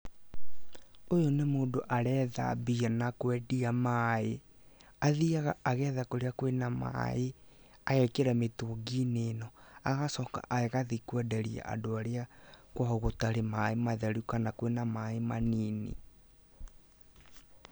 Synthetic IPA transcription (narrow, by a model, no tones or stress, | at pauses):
ojonemoːdoʔaɾɛða̰bianakwɛdiamae | aðiaɣaʔaɣɛːðakoɾeakwenama̰e | aɣɛkeɾametoːɡinenɔaɣasɔka̰ʔaɛɣaðikwɛdɛɾia̰ʔa̰doaɾeakwaɦɔɣotaɾemaemaðɛɾukanakwenamaemaniːnḭ